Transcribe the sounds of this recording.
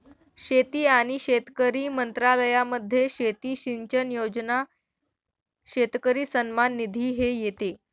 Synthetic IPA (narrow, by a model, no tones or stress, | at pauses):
ɕet̪iːaɽ̃iɕet̪kəɾiːmənt̪ɾaləjaməd̪ʱːjeɕet̪iːɕiɲt͡ɕənjod͡zna | ɕet̪kəɾiːsənmanːid̪ʱiːɦejet̪e